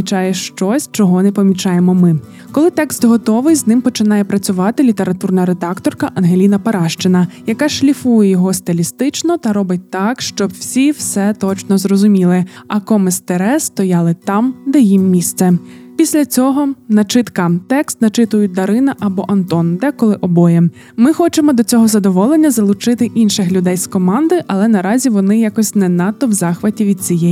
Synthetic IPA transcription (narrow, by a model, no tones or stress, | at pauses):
it͡ʃɑjɛʃt͡ʃɔsʲt͡ʃɔɦɔnɛpɔmʲit͡ʃɑjemɔmɪ | kɔlˠɪt̪ɛkst̪ɦɔt̪ɔʋɪjznɪmpɔt͡ʃɪnɑjɛpɾɐt͡sʲʊʋɑt̪ɪlʲit̪e̞ɾɐt̪urnɐɾed̪ɑkt̪ɔrkɐʔɐnɦelʲinɐpɐɾɑʃt͡ʃɪnɐjɐkɑʃlʲifujɛjɔɦɔst̪elʲist̪ɪt͡ʃnɔt̪ɐɾɔbɪt̚ʲt̪ɑkʃt͡ʃɔbwsʲiwsɛt̪ɔt͡ʃnɔzrɔzʊmʲilˠɪɐkɔmɪst̪eɾɛst̪ɔjɑlˠɪt̪ɑmd̪ɛjimːʲist̪sɛpʲisʲlʲɐt͡sʲɔɦɔnɐt͡ʃɪt̪kɐt̪ɛkst̪nɐt͡ʃɪt̪ʊjʊt̚ʲd̪ɐɾɪnɐʔɐbɔʔɐnt̪ɔnd̪ɛkɔlˠɪʔɔbɔjɛ | mɪxɔt͡ʃemɔd̪ɔt͡sʲɔɦɔzɐd̪ɔʋɔlˠenʲːɐzɐlˠʊt͡ʃɪt̪ɪʔinʃɪxlʲʊd̪ɛjskɔmɑnd̪ɪʔɐlˠɛnɐɾɑzʲiʋɔnɪjakɔsʲnɛnɑt̪ːɔwzɑxʋɐtʲiʋʲid̪̚t͡sʲijɛ